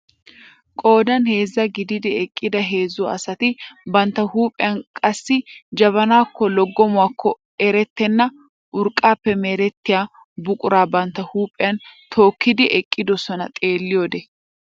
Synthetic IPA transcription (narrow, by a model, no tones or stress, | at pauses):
kʼo̞ːd̪ɐnhe̞ːzːɐɡɪd̪ɪd̪ɪɛkʼːɪd̪ɐɦe̞ːzːʊɐsɐt̪ɪbɐnt̪ːɐhuːpʼɪjɐnkʼɐsːɪd͡ʒɐβɐnaːkːɔlɔɡːɔmʊwaːkːɔ | ɛɾɛt̪ːɛnːɐ | ʔʊɾkʼːaːpːɛmeːɾɛt̪ːɪjaː | bʊkʼʊɾaːbɐnt̪ːɐhuːpʼɪjɐnt̪ʰo̞ːkːɪd̪ɪʔɛkʼːɪd̪ɔsɔnɐ̰t̪ʼe̞ːlːɪjoːd̪ɛ